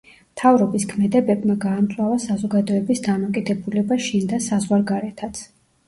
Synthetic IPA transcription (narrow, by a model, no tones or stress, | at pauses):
mt̪ʰavɾɔbiskʰmɛd̪ɛbɛbmaɡaːmt̪sʼwavasazɔɡad̪ɔɛbisd̪amɔkʼid̪ɛbulɛbaʃind̪asazʁwaɾɡaɾɛt̪ʰat̪sʰ